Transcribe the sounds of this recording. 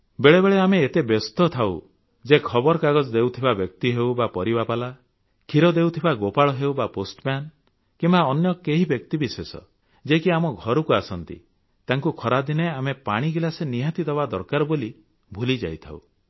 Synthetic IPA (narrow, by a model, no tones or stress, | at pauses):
beɭebeɭeameːt̪ebest̪ɔt̪ʰaw | d͡ʒekʰɔbɔɾɔkaɡɔd͡ʒɔd̪ewt̪ʰibabjɔk̚t̪iɦewbapɔɾibapala | kʰiɾɔd̪ewt̪ʰibaɡopaɭɔɦewbaposʈman | kimbaɔnjɔkeɦibjɔkt̪ibiswesɔ̰ | d͡ʒekiamɔɡʱɔɾukuasɔnt̪ḭ | t̪aŋkukʰɔɾad̪ineamepa̰ɽ̃iɡilaseniɦat̪id̪ɔbad̪ɔɾkaɾɔboli | bʱulid͡ʒa̰jt̪ʰa̰w̰